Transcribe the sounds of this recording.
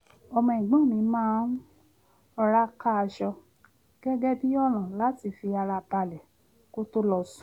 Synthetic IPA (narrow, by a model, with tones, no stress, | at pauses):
ɔ˧mɔ̃˧ĩ˨ɡ͡bã˦˨nĩ˨˦mãː˦ | ɔ˧ɾa˦ka˦˧ʃɔ˧ | ɡ̥ɛ˦ɡɛ˦bi˦ɔ˦lã˨la˨˦ti˧˨fi˧a˧ɾa˧ba˧lɛ˨ | ko˦to˦lɔ˧sũ̥˨˦